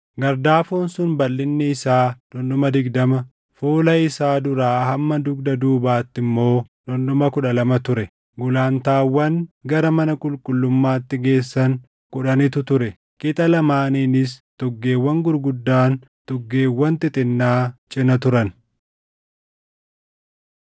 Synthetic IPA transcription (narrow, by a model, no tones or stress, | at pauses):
ɡɐɾd̪aːfoːnsʊnbɐlːɪnːɛɪsaːd̪̥ɔndʊmɐd̪ɪɡd̪ɐmɐ | fuːlɐɪsaːd̪ʊɾaːhɐmːɐd̪ʊɡd̪ɐd̪uːbaːt̪ːɪmːo̞ːd̪ɔndʊmɐkʊᶑɐlɐmɐt̪ʊɾɛ | ɡʊlaːnt̪aːwːɐŋɡɐɾɐmɐnɐkʼʊlkʼʊlːʊmːaːt̪ːɪɡe̞ːsːɐŋ | kʼʊᶑɐnɪt̪ʊt̪ʊɾɛ | kʼɪt̪ʼɐlɐmaːniːnɪs̬t̪ɔɡːe̞ːwːɐŋɡʊɾɡʊd̪ːaːn | t̪ɔɡːe̞ːwːɐnt̪ɪt̪ʼɪnːaːt͡ʃʼɪnɐt̪ʊɾɐn